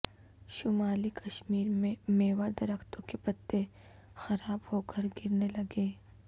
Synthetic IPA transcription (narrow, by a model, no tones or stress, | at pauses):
ʃʊmaːlikɐʃmiːɾmẽmeːwad̪ɐɾəkt̪õkepɐt̪ːe | xɐɾaːbhoːkəɾɡɪɾnelɐɡeː